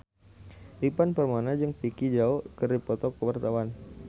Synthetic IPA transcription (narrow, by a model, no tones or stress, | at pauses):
ʔipanpərmanad͡ʒɨŋfikid͡ʒaokəripɔt̪ɔkəwart̪awan